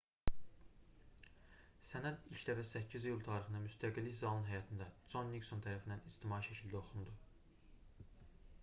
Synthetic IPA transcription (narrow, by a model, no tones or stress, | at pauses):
sænæd̪ilʲcʰd̪æfæsæcʰːizijulˠt̪ʰɑːɾiχɯnɑmyst̪ʰæɡilːiçzɑlˠunɦæjɑt̪ʰind̪æz̥onːiksont̪ʰæɾæfind̪ænist̪ʰimɑːiʃæcʰild̪æo̞χund̪u